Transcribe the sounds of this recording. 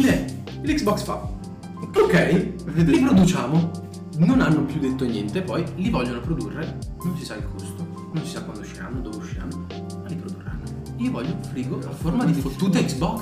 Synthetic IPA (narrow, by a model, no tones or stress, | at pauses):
d̪ɛ | iliksbɔksfa̰ | okɛjed̪lipɾod̪ut͡ʃaːmo | nonanːopjud̪ːet̪ːoinːjɛnt̪epɔjlivɔʎːonopɾod̪urːenont͡ʃisailkʰost̪o | nonsisakːwand̪ouʃːia̰ːmod̪oːveuʃːa̰ːmo | malipɾod̪urːa̰nːo | iːovɔʎːofɾiːɡoaformad̪ifot̪ːut̪eiksbɔks